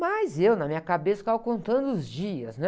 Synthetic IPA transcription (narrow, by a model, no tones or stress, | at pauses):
mɐjzewnɐmĩɲɐkabesɐ̥kawkõnt̪ɐ̃nd̪ʊʊzd͡ʒiɐsnɛ